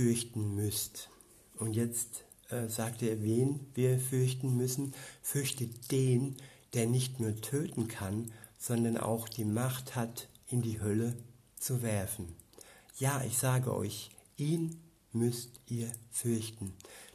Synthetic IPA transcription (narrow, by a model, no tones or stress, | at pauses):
fʏɐçtn̩mʏst | ʔʊntjɛt͡st | ʔɛːzaːk̚teːɐveːnviːɐfʏɐçtn̩mʏsn̩fʏɐçtətd̥eːnd̥eːɐnɪçtnuːɐtʰøːtn̩kʰanz̥ɔndɐnʔa̰ʊxd̥iːmaχthatʔɪndiːɦœlə | t͡suvɛɐfn̩jaːʔɪçz̥aːɡə̰ʔɔ̰ʏç | ʔiːn | mʏstʔiːɐfʏɐçtn̩